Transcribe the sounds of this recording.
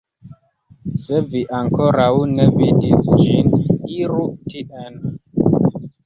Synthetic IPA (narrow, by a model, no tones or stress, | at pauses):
sɛviʔaŋkɔɾaunɛvidisd͡ʒiniɾutiʔɛn